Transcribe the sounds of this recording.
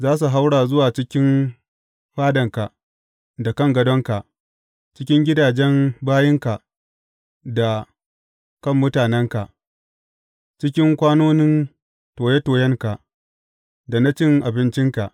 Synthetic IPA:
zaː˦s̬u˨ɦa˦wɽaː˨zʊ˦waː˨t͡ʃɪ˦kʲɪ˦n | ɸaː˦dɐ˨ŋka˨ | da˨kɐ˦˨ŋɡɐ˦dɔ˦ŋka˨ʔ | t͡ʃɪ˦kʲɪ˦ŋɡʲɪ˦daː˨d͡ʒɛ˦nbaː˦jɪ˦ŋka˨ | da˨ | kɐ˦˨mːʊ˦taː˨nɛ˦ŋka˨ʔ | t͡ʃɪ˦kʲɪ˦ŋkʷaː˦noː˦nɪ˦n | toː˨je˦toː˨jɛ˦ŋka˨ʔ | da˨na˦t͡ʃɪ˦ŋʔa˨bɪ˦nt͡ʃɪ˦ŋka˨ʔ

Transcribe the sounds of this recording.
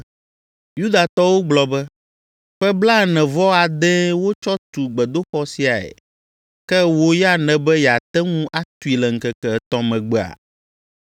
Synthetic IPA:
ju˦d̪a˨t̪ɔ˦wo˦ɡ͡blɔ˨bɛ˦ | ɸɛ˦bla˦˨nɛ̃˨vɔ˦a˨d̪ɛ̃˦wo˦t͡ʃɔ˦t̪u˨ɡ͡bɛ˨d̪o˦xɔ˦si˨˦a˨ɛ̰˨ | kɛ˦wo˦jɛ˦a˨nɛ̃˨bɛ˦jɛ˨a˨t̪ɛ˦ŋũ˦ʔa˦t̪u˨i˨lɛ˨ŋ̩˨kɛ˦kɛ˨ɛ˨t̪ɔ̃˦mɛ̃˨ɡ͡bɛ˨a̰˨

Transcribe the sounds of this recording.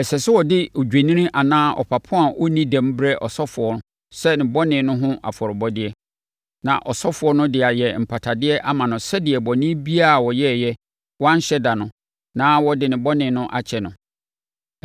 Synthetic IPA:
ɛ˨sɛ˨sɪ˦wɔ˨dɪ˦ɔ˨d͡ʑᶣe˨nĩ˦nĩ˦ʔa˨nãː˦ʔɔ̰˨pʰa˨pʰʊ̃˦a˨ʔɔ˦nĩ˦dæ̃˨m˦bɾɛ˦ʔɔ˨sɔ˦fʊ˨ɔ˦nʊ̃˦ | sɛ˦nɪ̃˨bɔ˦nɪ̃˨˦nʊ̃˦ɦʊ̃˦ʔa̰˨fɔ˨ɾɪ˨bɔ˦dɪ˦ɛ˦ | nã̰˨ʔɔ˨sɔ˦fʊ˨ɔ˦nʊ̃˦dɪ˨a˨jɛ˨m̩˨pʰa˨tʰa˨dɪ˦ɛ˦ʔa˦mã˨nʊ̃˨sɛ˦dɪ˨ɛ˨bɔ˨nĩ˦bi˦a˦˨wɔ˨jɛ˦˨jɛ˦ | wɔ˦ã˦n̩˦ɕɛ˦da˨nʊ̃˨ | nãː˦wɔ˦dɪ˨nɪ̃˨bɔ˦nɪ̃˨nʊ̃˦ʔa˨t͡ɕʰɛ˨nʊ̃˨

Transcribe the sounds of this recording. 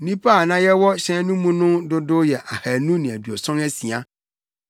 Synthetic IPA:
nĩ˦pʰa˦˨nã˦jɛ˦wɔ˦ɕɛ̃˦nũ˦mũ˦nʊ̃˦dʊ˦dʊ˦jɛ˨ʔa˨hæ˨nũ˦nĩ˨æ˨dɥɔ˨sɔ̃˦næ˦si˨a˦

